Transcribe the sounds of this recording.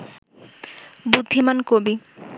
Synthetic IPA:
bud̪ʱːimankobi

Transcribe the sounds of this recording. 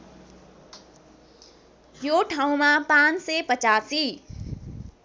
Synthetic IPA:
joʈʰaũmãpãnsepət͡ɕasi

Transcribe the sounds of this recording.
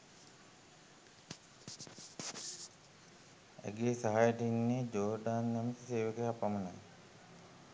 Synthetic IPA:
æ̰ɡeːsaɦajəʈəinːeːd͡ʒoːɾɖaːnːɛməsiseːʋəkəɦapamənaj

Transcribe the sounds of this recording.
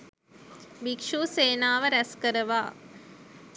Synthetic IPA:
ʋikʂuːseːnaːʋəɾæskəɾəʋa̰ː

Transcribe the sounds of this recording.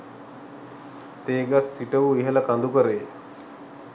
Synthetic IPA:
t̪eːɡasːiʈəʋuiɦələkand̪ukəɾeː

